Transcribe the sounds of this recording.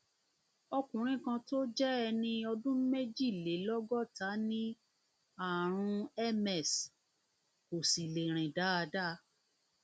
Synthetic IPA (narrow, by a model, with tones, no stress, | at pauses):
ɔ˧kũ˨ɾ̃ĩ˦kã˧to˦d͡ʒɛ˦ɛ˧nĩ˧ɔ˧dũ˦me˦d͡ʒi˦˨le˨˦lɔ˦ɡɔ˦˨ta˨˦nĩ˦ | a˦˨ɾ̃ũ˧ɛ˦˨mɛ˦˨s | ko˨si˨le˨ɾ̃ĩ˨da˨˦a˧da˦